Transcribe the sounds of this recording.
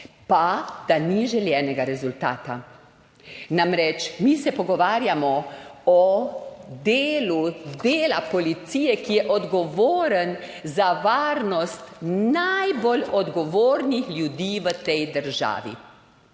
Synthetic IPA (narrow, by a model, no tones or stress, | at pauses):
pad̪̥aniʒɛljɛːnɛɡaɾɛzult̪a̰ːt̪a | namɾɛt͡ʃmisɛpɔɡɔʋaːɾjamɔɔ | d̪eːlud̪eːlapɔlit̪siːjɛkijɛʔɔd̪ɡɔʋoːɾənzaʋaːɾnɔst̪najboɔlɔd̪ɡɔʋoːɾnixlʲjud̪iːʋət̪ɛjd̪əɾʒa̰ːʋḭ